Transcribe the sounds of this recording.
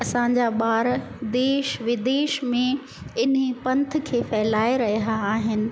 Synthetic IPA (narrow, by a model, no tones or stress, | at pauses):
ɐsãɲd͡ʑaɓaːɾd̪eːʃʋɪd̪eːʃmẽ | ɪnpɐ̃nt̪̆ʰkʰeːfɛːlaːeɾɐɦijaːɦɪnɪ̆